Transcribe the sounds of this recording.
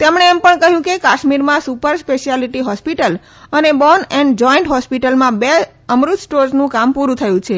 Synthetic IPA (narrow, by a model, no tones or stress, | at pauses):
t̪emɳ̃eːmpəɳkəɦjũkekaʃmiɾmãsupəɾspeʃialiʈiɦɔspiʈəl | ənebɔnɛ̃ɳɖd͡ʒɔiɳʈɦɔspiʈəlmãbe | əmɾut̪sʈoɾznũkampuɾũt̪ʰəjũt͡ʃʰe